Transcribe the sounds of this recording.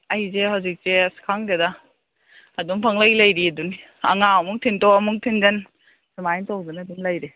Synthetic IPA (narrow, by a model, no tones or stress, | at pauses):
ɐjzehawzik̚seɐsi̥kʰaŋdedaː | dumpʰɐŋlajlɐjɾiɐduni | ɐ̰ŋaɐmuŋ̚tʰintowɐmuk̚tʰinzɐn | simajntowzɯnɐdumlɐjɾi